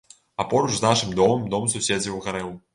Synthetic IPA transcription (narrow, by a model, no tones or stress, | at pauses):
apɔɾut͡ʃznaʂɨmd̪ɔmɨmd̪ɔmsusʲed͡zʲiwɣaɾɛw